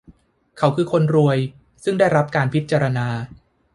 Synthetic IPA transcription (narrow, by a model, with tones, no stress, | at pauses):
kʰa˨˦wkʰɯː˧kʰo˧nɾu˧əj | sɯ˥˩ŋdaː˥˩jɾa˦˥p̚kaː˧npʰi˦˥t̪̚t͡ɕaː˧ɾa˧naː˧